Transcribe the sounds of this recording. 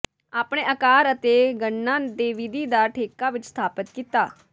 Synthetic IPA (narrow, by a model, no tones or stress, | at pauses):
aːpɽ̃ẽːʔəkaːɾət̪eɡəɳːãd̪eːʋid̪iːd̪aʈʰeːkaʋɪt͡ʃst̪ʰaːpət̪kit̪aː